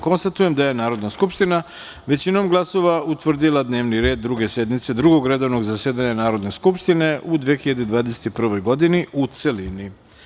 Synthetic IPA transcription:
ko̞nst̪at̪uje̞md̪aje̞naːɾo̞d̪naskupʃt̪ina | ʋe̞t͡ɕino̞mɡlˠaso̞ʋaut̪ʋr̩d̪ilˠad̪ne̞ːʋniɾe̞ːd̪ːɾuɡe̞se̞d̪mit̪se̞d̪ɾuɡo̞ɡɾe̞d̪o̞ʋno̞ɡzaseːd̪aɲanaːɾo̞d̪ne̞skupʃt̪ine̞ʔud̪ʋexiʎad̪ed̪ʋaːd̪ese̥t̪ipr̩ʋo̞jɡo̞d̪iniut̪selini

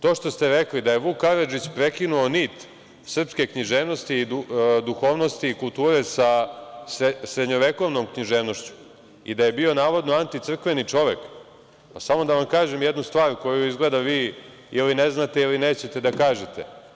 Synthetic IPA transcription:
t̪o̞ːʃt̪o̞st̪e̞ɾeklid̪ajeʋukaɾad͡ʒit͡ɕpɾekinuo̞niːt̪ | sr̩pske̞kɲiʒeːʋno̞st̪iːd̪ud̪uxo̞ːʋno̞st̪iːkulˠt̪uːɾe̞sasesɾed̪ɲo̞ʋeko̞ʋno̞mkɲiʒeːʋno̞ʃt͡ɕu̥ | ḭd̪aje̞bio̞naːʋo̞d̪noant̪it̪sr̩kʋe̞nit͡ʂo̞ʋe̞k | pasamo̞d̪aʋamkaːʒemjed̪nust̪ʋaːɾko̞juizɡle̞d̪aʋiː | ilineznat̪eilineːt͡ɕet̪e̞d̪akaːʒet̪e

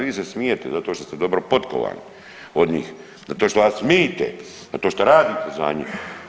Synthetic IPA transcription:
ʋiːsesmijet̪ezat̪oʃt̪ost̪ed̪o̞bɾopot̪ko̰ʋa̰ːni | od̪ɲḭːx | zat̪oːʃt̪oasmiːt̪ḛ | zat̪oːʃt̪oɾaːd̪iːt̪eza̰ɲḭm

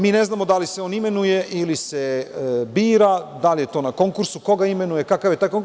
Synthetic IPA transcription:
miːne̞znaːmo̞d̪aliseo̞ːnime̞nuje̞ʔilisebiːɾad̪aljet̪o̞ːnako̞ŋkuɾsuko̞ɡaime̞nuje̞kakaʋje̞t̪aːjkoŋk

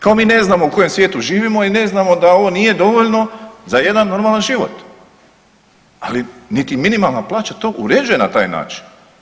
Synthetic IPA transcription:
kaomiːne̞znaːmo̞uko̞je̞msʋjeːt̪uʒiːʋimo̞ine̞znaːmo̞d̪ao̞ʋo̞nije̞d̪o̞ʋo̞ʎno̞zaje̞d̪anːo̞ɾmalanʒiʋo̞̰t̪ | alinit̪iminimalˠnaplˠaːt͡ɕat̪o̞ːʔuɾe̞d͡ʒuje̞nat̪aːjna̰ːt͡ʃi̥n

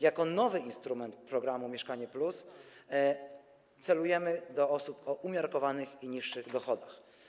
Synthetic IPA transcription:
jakɔnɔvɘinst̪ɾumɛnt̪pɾɔɡɾamumʲjɛʂkaɲɛplus | t̪sɛlujɛmɘd̪ɔɔsupɔʔumʲjɔɾkɔvanɘxiɲiʂːɘɣd̪ɔxɔd̪ax

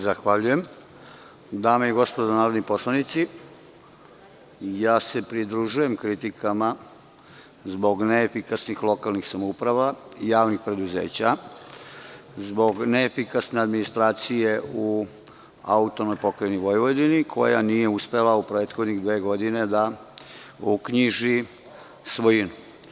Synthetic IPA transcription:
zaxʋaʎuje̞m | d̪aːmeiɡo̞spod̪onaːɾo̞d̪nipo̞slˠanit̪si | jaːse̞pɾid̪ɾuʒuje̞mkɾit̪ikama | zbo̞ɡneefikasnixlˠo̞kalnixsamoupɾaʋaijaːʋnixpɾe̞d̪uze̞̰ːt͡ɕa | zbo̞ɡneːfikasne̞ad̪minist̪ɾaːt̪sijeu | a̰ut̪onojpo̞kɾaniʋojiʋod̪inikʰo̞̰ja̰nije̞uspe̞laupɾeːt̪xo̞d̪niɣd̪ʋeːɡo̞d̪ine̞d̪a | ukɲiʒi | sʋojinu

